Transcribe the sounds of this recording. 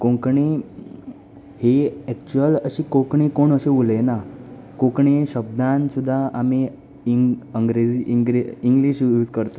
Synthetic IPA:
kõkɳi | heɛk̚t͡ɕuələɕiːkokɳikoɳəɕeʋulena | kõkɳiɕəb̚d̪ʱãnsud̪ʱːaʔami | əŋɡɾed͡ziʔiɡɾiiŋɡliɕjuːd͡zkəɾt̪a

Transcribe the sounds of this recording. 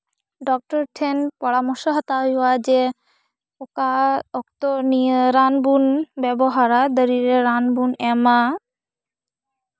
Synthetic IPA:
ɖɔk̚ʈɔɾʈʰenpɔɽamoɾʃoɦɔt̪ajɔad͡ʑe | okaɔkt̪onieɾanbunbɛboɦaɾad̪ɔɾiɾeɾanbunɛma

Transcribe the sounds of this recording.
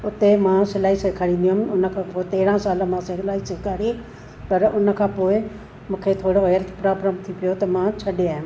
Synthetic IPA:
ʊt̪emãːsɪlaːɦiseːkʰaːɾĩːn̆d̪ijʊɦmʊnə̆kʰãːpoːɪt̪eːɾãsaːlə̆mãːsɪlaːiseːkʰaːɾi | pɐɾʊnə̆kʰãːpoːɪ | mũːkʰet̪ʰoːɽoɦeːlt̪ʰpɾaːbɾəmt̪ʰipijot̪ɐmãːt͡ɕʰɐɗeaːɦɪʊ̃

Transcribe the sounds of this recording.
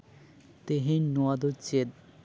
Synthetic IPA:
t̪eɦenuad̪ot͡ɕed̪̚

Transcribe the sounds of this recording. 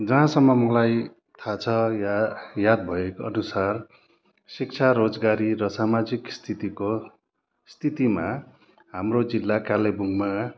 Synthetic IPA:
d͡zʌɦãsʌmːʌmʌlaj | t̪ʰat͡sʰʌ | jad̪̚bʱʌekoʌnusar | sik̚t͡sʰaɾod͡zɡaɾiɾʌsamad͡zikst̪ʰit̪iko | st̪ʰit̪ima | ɦamrod͡zilːakalebuŋma

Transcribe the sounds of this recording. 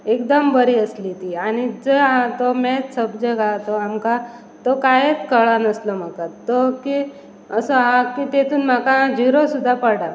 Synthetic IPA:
ekd̪əmbəɾiːəslit̪iañid͡zəat̪omɛsəbd͡ʑəɡat̪oamka | t̪okajet͡skəɭanəslɔm̤akat̪oki | əsɔɦakit̪et̪ʰuːnm̤akad͡ʑiɾosud̪ʱːapəɽa

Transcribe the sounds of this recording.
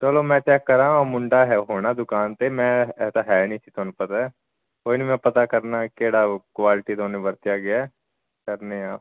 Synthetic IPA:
t͡ʃəlomɛ̃t̪ɛːkːɐɾaːɦũmʊɳɖaɦɛɦoːnad̪ʊkaːnt̪emɛ̃ɛːsaɦɛːnĩt̪ʰit̪onepɐt̪aɦɛ | ɦoːɪnimɛ̃pɐt̪akɐɾnakeːɽakʋaːlɪʈid̪oːnẽbɐɾt̪ijaɡɪjaɛ | kɐɾneaːp

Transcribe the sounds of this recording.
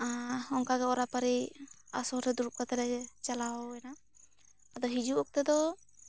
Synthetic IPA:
aɔŋkaɡɛɔɾapaɾiasɔɾɛd̪uɾuʔ̚kat̪ɛɾɛt͡ʃalawɛna | ad̪ɔɦid͡ʒuʔɔk̚t̪ɛd̪ɔ

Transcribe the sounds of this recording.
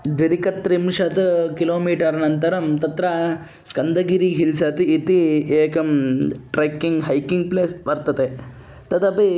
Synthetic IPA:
ɖiɾikɐt̪ɾimʂɐt̪ɐkiloːmiːʈɐɾnɐnt̪ɐɾɐmt̪ɐt̪ɾɐ | skɐnd̪ɐɡiɾiɦilsɐt̪iːt̪ieːkɐmʈɾekːiŋɡɦɐjkiŋɡ̚pleːsbɐɾt̪ɐt̪e | t̪ɐt̪ɐpi

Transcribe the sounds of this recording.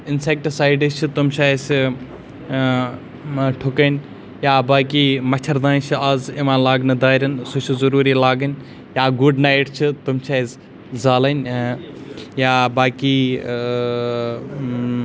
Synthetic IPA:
ɪnsek̚ʈsaːjɖit͡ʃʰit̪umt͡ʃʰaːjs | ʈʰʊkənʲ | jaːbaːkiːmɐt͡ʃʰɐɾd̪aːnt͡ʃʰiazimãːlaːɡnɨd̪aːɾʲɐnsut͡ʃʰizɐɾuːɾiːlaːɡɐn | jaːɡuɖnajʈt͡ʃʰit̪umt͡ʃʰaːs | zaːlɐnʲ | jaːbaːkiː

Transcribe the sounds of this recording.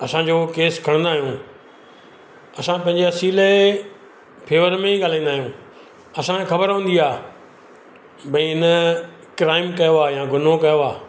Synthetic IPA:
ɐsãd͡ʑoːkeːskʰɐɽ̃nd̪aːɦijũː | ɐsãpɐ̃ɪ̃ɲd͡ʑeɐsiːle | pʰeːʋəɾmẽiɠaːl̤ãĩːnd̪aːɦijũː | ɐsãxɐbəɾʋõːn̆d̪iaː | bɐ̃ĩɪnə | kɾaːɪmkɐjoaːjãːɡʱʊnokɐjoaː

